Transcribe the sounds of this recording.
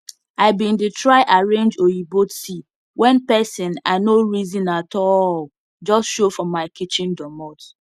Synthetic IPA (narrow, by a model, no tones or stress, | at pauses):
aɪbĩnditɹaɪʔaɹẽnd͡ʒojibotsi | wʔɛ̃npɛsɪ̃na̰noɹizĩnatɔl | d͡ʒɔstʃofɹɔ̃mːaɪkit͡ʃĩndɔmɔt